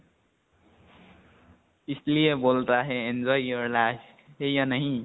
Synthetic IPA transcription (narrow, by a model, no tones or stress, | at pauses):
islijebolt̪aɦeend͡zɔiʌɾla | ɦejʌnəɦĩ